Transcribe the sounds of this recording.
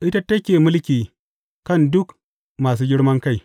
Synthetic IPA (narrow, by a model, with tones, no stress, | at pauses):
ʔɪ˦ta˦tɐ˦kʲeː˨mʊ˦lkʲiː˨ | kɐ˦˨ndʊ˦k | maː˨s̬uː˦ɡʲɪ˦ɽmɐ˦ŋka˦˨j